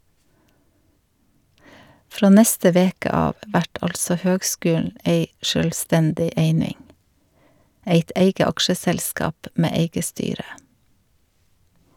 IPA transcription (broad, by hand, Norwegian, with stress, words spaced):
ˈfɾoː ˈnɛstə ˈʋeːkə ˈɑːʋ ˈʋæʈ ˈɑlsɔ ˈhøːɡˌskʉːll̩ ˈʔeɪ ʃœlˈstɛndɪ ˈeɪnɪŋ ˈeɪt ˈeɪɡə ˈɑkʃəsɛlˌskɑːp ˈmeː ˈeɪɡə ˈstyːɾə